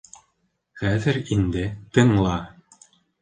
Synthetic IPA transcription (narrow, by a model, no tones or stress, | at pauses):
χæðɘɾind̪ɘt̪ɤ̆ɴlˠɑ